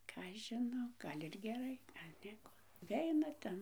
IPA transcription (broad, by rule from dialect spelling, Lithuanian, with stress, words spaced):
ˈkɑː ɐʃ ʒʲɪˈnɐʊ ˈɡɐlʲ ɪr ɡʲɛˈrɐɪ ˈnʲiɛkoː nʊˈʋʲɛɪnɐ ˈtʲɛn